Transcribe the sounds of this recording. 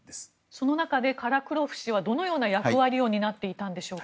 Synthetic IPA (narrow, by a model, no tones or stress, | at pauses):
so̞no̞nakad̪e̞kaɾakɯ̟ɾo̞ɸɯ̟̥ɕiβad̪o̞no̞jo̞ːnajakɯ̟βaɾʲijo̞ːɲ̟inat̪ːe̞it̪ãnd̪e̞ɕo̞ːk